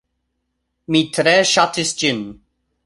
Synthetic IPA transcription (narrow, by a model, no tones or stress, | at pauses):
mitʰɾɛʃatʰɪsd͡ʒɪn